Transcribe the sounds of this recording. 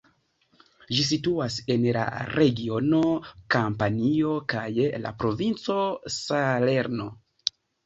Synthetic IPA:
ʒis̬ituase̞nla̰ɾʔe̞ɡio̞no̞kampanio̞kajla̰pɾo̞vint͡so̞sale̞ɾno̞

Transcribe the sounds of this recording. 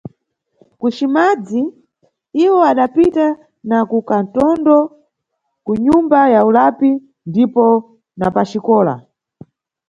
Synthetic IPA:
kut͡ʃimad͡zi | iwɔaɗapita | nakukan̩tɔndɔ | kuɲumbajaulapi | ndipɔ | napat͡ʃikɔːla̰

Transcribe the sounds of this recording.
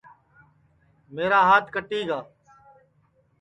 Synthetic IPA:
meːɾaːɦaːt̪ʰkəʈiːɡaː

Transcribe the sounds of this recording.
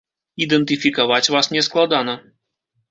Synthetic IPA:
id̪ɛnt̪ɨfʲikavat͡sʲvasnʲɛsklˠad̪anɐ

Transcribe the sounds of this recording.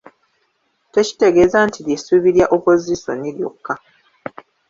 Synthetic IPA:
te̞ci̥te̞ɡe̞ːzantʰiljesuːβiɾjaʔopo̞ziso̰niljo̰kːa

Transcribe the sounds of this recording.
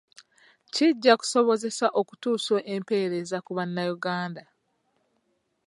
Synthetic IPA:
ciɟːaku̥so̞βo̞ze̞saʔo̞ku̥tuːso̞ʔempe̞ːɾe̞zakuβanːajuɡaːnda

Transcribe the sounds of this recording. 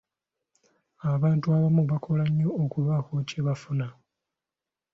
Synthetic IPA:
aβaːntuaβamuβakʰo̞laɲːo̞ːkuβakoceβafuna

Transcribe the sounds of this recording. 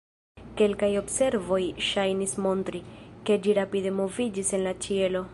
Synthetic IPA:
ke̞lkajo̞bse̞ɾvo̞jʃajnismo̞ntɾike̞d͡ʒiɾapide̞mo̞vid͡ʒise̞nlat͡ʃie̞lo̞

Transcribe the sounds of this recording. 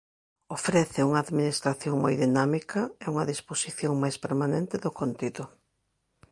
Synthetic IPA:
ofɾɛθɪuŋɐːðminist̪ɾaθjoŋmojðinamikʰɐɪuŋɐðisposiθjoŋmajspeɾmanẽnt̪ɪðʊkont̪iðʊ

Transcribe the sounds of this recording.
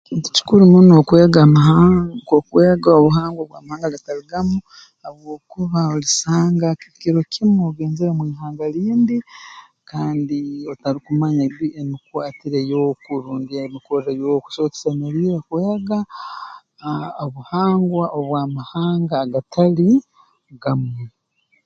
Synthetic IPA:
ekiːntu̥ci̥kuɾimunokweːɡamaɦakokweːɡaoβuɦaːŋɡwoβwa̰ːmahaːŋɡalataliɡamu | aβwoːkuβaolisaːŋɡakikiɾo̞kʰimuɡe̞ːnzeɾemwiːɦaːŋɡaɾiːndi | kaːndiotaɾikumaɲaβiʔenikuatiɾejokuɾuːndiamikoɾejoku̥soːte̥seneɾiːɾakweːɡa | oβuhaːŋɡwaʔoβwaːmahaːŋɡaːɡatʰali | ɡamwe

